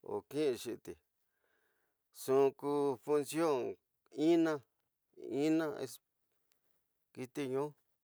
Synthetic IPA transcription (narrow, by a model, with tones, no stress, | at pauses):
o̰˨kĩ˦˧ʂi˧t̪i˨ | sũ˦˨˧ku˧fu˧nsjo˦˨ŋ | i˦nã˦ | i˦nã˦ḛ˧s | ki˧t̪i˦˧ɲũ˦